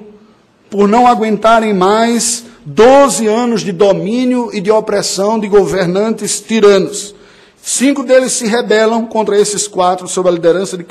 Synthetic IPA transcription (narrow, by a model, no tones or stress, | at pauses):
poɾnɐ̃w̃aɡwẽnt̪aɾẽj̃majsd̪ozɪɐ̃nʊzd̪ɪd̪omĩnjʊɪd̪ɪopɾɛsɐ̃w̃d̪ɪɡoveɾnɐ̃nt̪ɪst̪iɾɐ̃nʊsː | ĩkʊd̪elɪsːɪɦebɛlɐ̃w̃kõnt̪ɾɐesɪskwat̪ɾʊsobɾɐlid̪eɾɐ̃sɐd̪ɪk